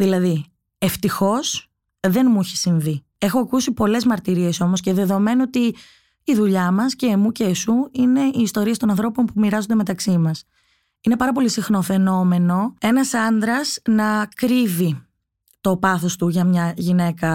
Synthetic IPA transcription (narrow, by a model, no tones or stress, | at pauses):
ðilɐði | e̞ft̪ixo̞s | ðe̞nmuiçe̥siɱvi | e̞xo̞ɐkusipo̞le̞zmɐɾt̪iɾie̞so̞mosce̞ðe̞ðo̞me̞noot̪iː | ðuʎɐmɐsce̞ːmuceːsuine̞iːst̪o̞ɾiɐst̪o̞nɐnθɾo̞po̞mpumiɾɐzod̪emet̪ɐksimɐs | ine̞pɐɾɐpo̞lisixno̞fe̞no̞me̞no̞e̞nɐsɐnd̪ɾɐsnɐkɾivi | t̪o̞pɐθo̞st̪uʝɐmɲɐʝine̞kɐ